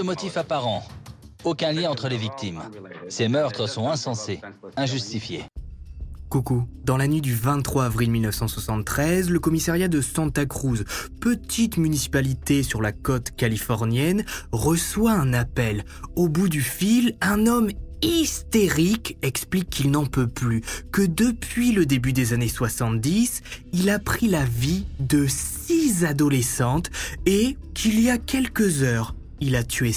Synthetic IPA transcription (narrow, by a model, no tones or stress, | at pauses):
əmɔt̪ifapaʁɑ̃okɛ̃ljɛ̃ɑ̃t̪χəlevik̚t̪imsemœʁt̪χəsɔ̃ɛ̃sɑ̃seɛ̃ʒyst̪ifjḛ | kokud̪ɑ̃lanɥid̪yvɛ̃t̪ːχwaːvʁilmilnəfsɑ̃swasɑ̃t̪ːχɛzləkɔmisaʁjad̪əsɑ̃t̪akχuzpət̪ʰit̪mynisi̥palit̪esyʁlakɔt̪kalifɔʁnjɛnʁəswaɛ̃napɛl | obud̪yfilɛ̃nɔmist̪eʁikɛksplikːilnɑ̃pøplykəd̪əpɥiləd̪ebyd̪ezaneswasɑ̃t̪d̪isilapχilavid̪əs | izad̪ɔlesɑ̃t̪e | kʰiliakʲɛlkəzœːʁ | ilat̪ʰye